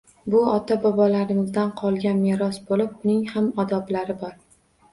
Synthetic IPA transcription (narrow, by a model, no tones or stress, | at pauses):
bʊɒt̪ʰabɒbɒlaɾɪmɪzd̪anqʰɒlˠɡʲanmeɾɒsbolɪp̚ʊnɪŋhamɒd̪ɒblaɾɪbɒɾ